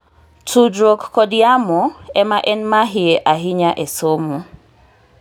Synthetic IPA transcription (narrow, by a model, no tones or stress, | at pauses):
tudɾokːɔdɪamɔɛmaʔɛnmaɦɪeʔaɦɪɲaʔesomo